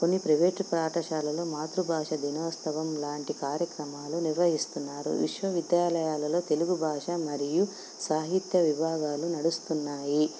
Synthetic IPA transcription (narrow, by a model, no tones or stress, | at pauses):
ko̞nːipɾɐʋeːʈpɾaːʈɐʂaːlɐloːmaːt̪ɾubʱaːʂɐd̪ʱinɐːst̪ʰɐʋɐmlaːɳʈikaːɾjɐkɾɐmaːluniɾʋɐɦist̪unːaːɾṵʋḭʂʋɐʋid̪jaːlɐjaːlɐlo̞ːt̪e̞luɡubʱaːʂɐmɐɾiju | saːɦit̪jɐʋibʱaːɡaːlunɐɽust̪unːaːji